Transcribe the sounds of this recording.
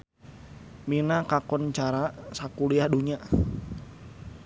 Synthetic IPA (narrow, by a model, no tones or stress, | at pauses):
minakakɔnt͡ʃaɾasakuliahduɲa